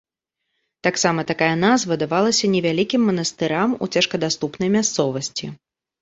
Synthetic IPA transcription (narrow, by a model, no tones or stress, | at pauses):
t̪aksamɐt̪akajɐnazvɐd̪avalˠɐsʲɐnʲɛvʲalʲikʲimːɐn̪ɐst̪ɨɾamṵt͡sʲɛʂkɐd̪ast̪upnɐjmʲast̪sɔvɐsʲt͡sʲi